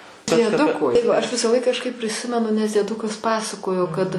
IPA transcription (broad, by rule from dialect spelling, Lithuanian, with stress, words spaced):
dʲiɛˈdʊkoː tɐɪ ʋɐ ɐʃ ʋʲɪsɐˈlˠɐɪk kɐʃˈkɐɪp pʲrʲɪˈsʲɪmʲɛnʊ nʲɛs dʲiɛˈdʊkɐs ˈpɑːsɐkoːjoː kɐt